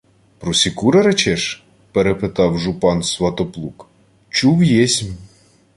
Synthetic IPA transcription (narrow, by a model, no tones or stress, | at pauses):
pɾɔsʲikuɾeɾet͡ʃɛʃ | peɾepet̪ɑwʒupɑnsʋɐt̪ɔplˠuk | t͡ʃuwjɛsʲmʲ